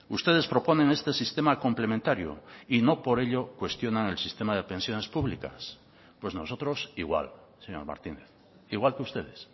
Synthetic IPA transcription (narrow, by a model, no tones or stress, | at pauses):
ust̪e̞ð̞e̞spɾo̞po̞nẽŋe̞st̪e̞sist̪e̞makomplemẽnt̪aɾjo̰ino̞po̞ɾe̞ʎokwe̞st̪jo̞naŋelsist̪emað̞e̞pe̞nsjo̞ne̞spuβlika̰s | pwe̞zno̞so̞t̪ɾo̞siɣwa̰l | seɲo̞ɾma̰ɾt̪ineθ | iɣwalkeust̪e̞ð̞es